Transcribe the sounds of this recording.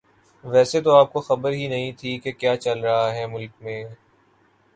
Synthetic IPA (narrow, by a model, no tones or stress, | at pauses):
ʋɛːset̪oaːp̚koxɐbəɾɦinɐɦĩt̪ʰikekjaːt͡ʃɐlɾɐɦaɦɛːmʊlk̚mẽː